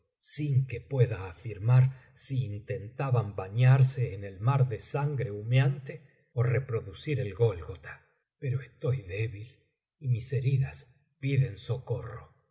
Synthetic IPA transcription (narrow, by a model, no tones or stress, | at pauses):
siŋke̞pwe̞ðaːfiɾmaɾsiːnt̪e̞nt̪aβambaɲaɾseːnelmaɾðesaŋɡɾe̞umjant̪e | orepɾo̞ðusiɾelɣo̞lɣot̪ḁ | peɾo̞est̪o̞jðe̞βil | imise̞ɾiðas | piðenso̞ko̞ro̰